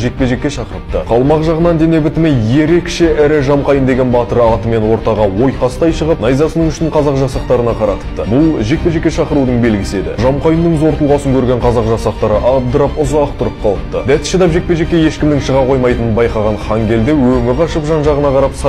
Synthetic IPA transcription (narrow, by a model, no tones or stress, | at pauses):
ʒe̞k̚pe̞ʒe̞kʲːe̞ʃɑqəɾəp̚t̪ə̰qʰɑlˠmɑqʒɑʁənɑnd̪e̞ne̞bɪt̪ɪmeje̞ɾe̞kʃe̞ʔæɾɪʒɑmqɑjənd̪e̞ɡʲe̞nbɑt̪əɾəɑt̪əme̞nwo̞ɾt̪ɑʁɑwo̞jqɑsət̪ɑjʃəʁəpnɑjzɑsənəɴʏʃɪɪɴqʰɑzɑqʒɑsɑqt̪ɑɾənɑqʰɑɾɑt̪ə̥pt̪əbʊlˠʒe̞k̚pe̞ʒe̞kʲːe̞ʃɑqəɾud̪əɴbe̞lɡʲɪse̞d̪ɪ̰ʒɑmqɑjənd̪əɴzo̞ɾt̪əlˠʁɑsəŋkʲʰɵɾɡʲe̞ɴqʰɑzɑqʒɑsɑqt̪ɑɾəʔɑbd̪əɾɑpʊzɑqt̪ʰʊɾəp̚qʰɑlˠəp̚t̪ə̰d̪æt̪ɪ̥ʃɪd̪ɑpʒe̞k̚pe̞ʒe̞kʲːeje̞ʃkʲɪmd̪ɪŋʃəʁɑqʰo̞jmɑjt̪ənənbɑjqɑʁɑnχɑŋɡʲe̞ld̪e̞wɵŋɪɾqʰɑʃəpʒɑnʒɑʁənɑqʰɑɾɑpsɑ